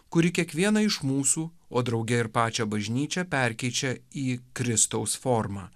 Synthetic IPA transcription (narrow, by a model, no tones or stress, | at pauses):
kʊɾʲɪkʲiɛkʋʲiɛnɐɪʃmuːsuː | oːd̪ɾɒʊɡʲɛɪɾpɑːt͡ʃʲɛbɐʒʲnʲiːt͡ʃʲɛpʲɛɾʲkʲɛɪt͡ʃʲɛiːkɾʲɪst̪ɐʊsfɔɾmɑ̰ː